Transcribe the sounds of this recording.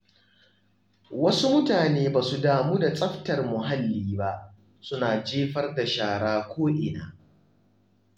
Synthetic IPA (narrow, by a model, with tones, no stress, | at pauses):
wɐ˦su˦mʊ˦taː˨neː˦baː˨su˨daː˨moː˦da˨t͡sʼɐ˦ɸtɐ˨rmʊ˨ɦa˦lːiː˦ba˦ʔ | sʊ˦naː˨d͡ʒeː˦ɸɐ˦rda˨ʃaː˨ɽaː˦kʷoː˦ʔɪ˨na̰ː˨